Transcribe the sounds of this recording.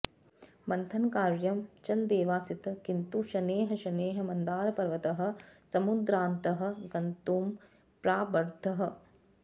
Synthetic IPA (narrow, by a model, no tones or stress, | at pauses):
mɐnt̪ʰɐnkaːɾjɐmt͡ʃɐld̪eːʋaːsit̪ɐkint̪uʃɐneːɦɐʃɐneːɦɐ̆mɐnd̪aːɾɐpɐɾʋɐt̪ɐɦɐ̆sɐmud̪ɾaːnt̪ɐɦɐ̆ɡɐnt̪uːm | pɾaːbɐɾd̪ʱɐɦɐ̆